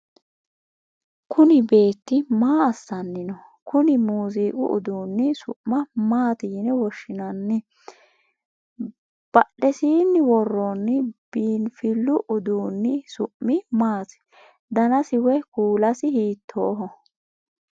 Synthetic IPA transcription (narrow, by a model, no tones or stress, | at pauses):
kʊnɪbe̞ːt̪ːɪmaːɐsːɐnːɪnɔkʊnɪmuːsiːkʼʊ̰ʔʊ̰d̪uːnːɪsʊ̰ʔmɐmaːt̪ɪjɪnɛwɔʃːɪnɐnːɪ | b̥ɐɗːɛsiːnːɪwɔrːɔnːɪb̥iːnfɪlːʊʔʊd̪uːnːɪsʊʔmːɪmaːsɪ̥ | d̪ɐnɐsɪwɛkuːlɐsɪhiːt̪ʰːoːɦɔ